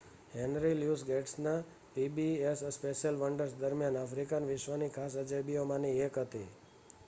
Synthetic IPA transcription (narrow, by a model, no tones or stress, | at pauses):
ɦenɾiljusɡeʈsna | pibiesspeʃjəlʋəɳɖəɾsd̪əɾmjanafɾikanʋɪʃʋənikʰas̬əd͡ʒebiomãniekɦət̪ḭ